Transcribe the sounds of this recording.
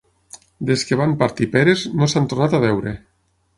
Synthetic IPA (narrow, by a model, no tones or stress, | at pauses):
d̪eskeβ̞ampaɾt̪ipeɾeznosant̪oɾnat̪aβɛwɾe